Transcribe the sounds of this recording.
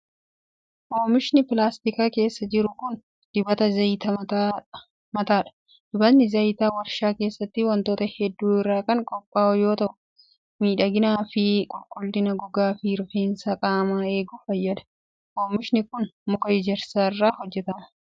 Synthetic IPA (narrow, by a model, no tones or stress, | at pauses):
ʔoːmɪʃnɪpɪlaːst̪ɪkaːke̞ːsːɐd͡ʒɪɾʊkʊn | d̪̥ɪbɐt̪ɐzɐjt̪ɐt̪ː | mɐt̪aːᶑɐ̥ | d̪̥ɪbɐt̪nɪzɐjt̪aːwɐɾʃaːke̞ːsːɐt̪ːɪwɐnt̪o̞ːt̪ɐhɛd̪ːuːɪrːaːkɐŋkʼɔpʼːaːɔjo̞ːt̪ɐʔʊ | miːᶑɐɡɪnaːfɪkʼɔlkʼʊlt̪ɪnɐɡʊɡaːfiːɾfeːnsaːkʼaːmaːe̞ːɡʊfɐjːɐd̪ɐ̥ | ʔoːmɪʃnɪkʊnmʊkɐɪd͡ʒɛɾsaːɪrːaːhɔd͡ʒːɛt̪ɐmɐ̥